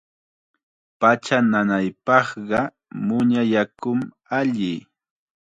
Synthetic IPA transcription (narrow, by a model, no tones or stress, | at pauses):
pat͡ʃananajpɑχɢɑ | mʊɲajakʊm | aʎɪ